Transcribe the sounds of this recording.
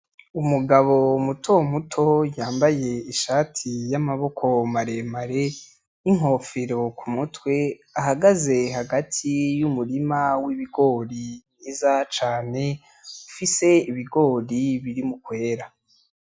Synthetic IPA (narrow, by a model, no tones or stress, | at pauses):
umuɡaβo̞mutʰo̞mutʰo̞jaːmbaje̞iʃaːtʰijamaβo̞kʰo̞maɾe̞maɾe̞ | iŋ̥ɦo̞fiɾo̞kʰumutwe̞ | aɦaɡaze̞ɦaɡatʰijumuɾimawiβiɡo̞ːɾinizat͡ʃaːne̞ | ufise̞iβiɡo̞ːɾiβiɾimukwe̞ːɾa